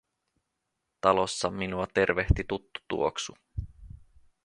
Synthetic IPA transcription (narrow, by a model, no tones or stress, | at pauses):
t̪ɑlo̞sːɑminuɑt̪e̞rʋe̞ht̪it̪ut̪ːu̥t̪ṵoksu